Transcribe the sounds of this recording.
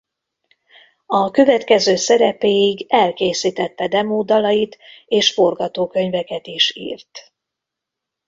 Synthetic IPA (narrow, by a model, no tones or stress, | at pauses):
ɒkø̞vɛt̪kɛzøːsɛɾɛpeːiɡɛlkeːsiːt̪ɛt̪ːɛd̪ɛmoːd̪ɒlɒjit̪eːʃfo̞rɡɒt̪oːkø̞ɲvɛkɛt̪iʃḭːrt̪